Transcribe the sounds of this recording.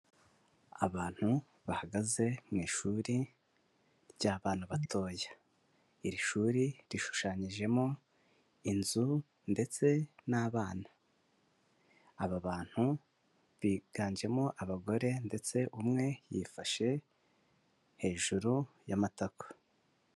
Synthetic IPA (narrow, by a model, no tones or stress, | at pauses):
aβaːn̥hu | βahaɡaze̞mŋiːʃuːɾi | jaːβaːnaβatʰo̞ːja | iɾiʃuːɾiɾiʃu̥ʃaːɲiʒe̞mo̞ | inzu | nde̞t͡se̞naːβaːna | aβaβaːn̥hu | βiːɡ̥aːɲd͡ʒe̞mo̞ʔaβaɡo̞ɾe̞nde̞t͡se̞ʔumŋe̞jifaʃe̞ | he̞ːʒuɾu | jamatakḁ